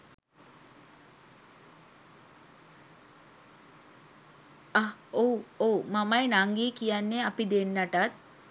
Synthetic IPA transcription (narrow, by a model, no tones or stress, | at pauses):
owomɐmɐjnaŋɡiːkijanːeɐpid̪enːɐʈat̪̚